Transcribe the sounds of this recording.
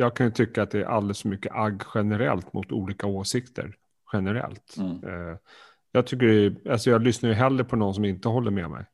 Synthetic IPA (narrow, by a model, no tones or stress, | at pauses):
jɑːɡ̚kʰanjɵt̪ʰʏkːaːt̪̚d̪ɛæɾʔa̰ld̪ɛlsfɔmʏkːə̰ʔaɡːɧɛnəɾɛ̰lt̪mʊt̪ṵːliːkaoːsɪkt̪ʰə̰ɾ | ɧɛnəɾɛ̰lt̪ | jɑːɡt̪ʰʏkːəɖɛalsɔjɑːɡlʏsnajəɦɛlːɾəpʰɔnɔns̬ɔmɪnt̪əɦɔlːəɾmɛmɛ̰j